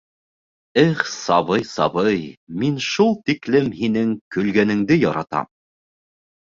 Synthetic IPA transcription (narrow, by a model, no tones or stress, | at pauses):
ɘχsɑβɤjsɑβɤjminʃulˠt̪iklɘmhinɘŋkɵ̆lɡænɘ̆ŋd̪ɘjɒɾɑ̰t̪ɑ̰m